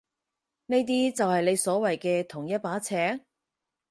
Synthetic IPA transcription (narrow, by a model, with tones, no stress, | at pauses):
ne˥jt̪̬iː˥t͡sɐ˨whɐ˨jle˨˧jsɔː˨˥wɐ˨jkɛː˧t̪ʰʊ˨˩ŋjɐ˥t̚paː˨˥t͡sʰɛː˨˥